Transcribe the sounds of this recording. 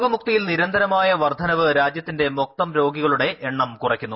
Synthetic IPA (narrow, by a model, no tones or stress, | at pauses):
ɣɐmuk̚t̪ijilniɾɐnd̪ʱɐɾɐmaːjɐʋɐrd̪ʱɐnɐʋɨɾaːd͡ʑjɐt̪ːinde̞mok̚t̪ɐmɾo̞ːɡiɣɐɭuɽe̞ʔeɳːɐmkurɐkʲːunːu